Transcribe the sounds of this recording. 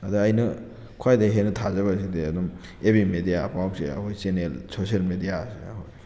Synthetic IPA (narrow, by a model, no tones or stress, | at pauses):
ɐdɐːjnɐ | kʰwajdɐɦenɐtʰazɐβas̬ideɐdum | ebimedijapaw̚seɐ̰kojsenelsosielmedijaseakoj